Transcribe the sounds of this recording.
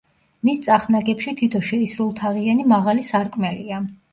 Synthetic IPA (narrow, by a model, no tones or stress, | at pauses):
mist̪sʼaχnaɡɛpʃit̪ʰit̪ʰɔʃɛisɾulˠt̪ʰaʁianimaʁalisaɾkʼmɛlia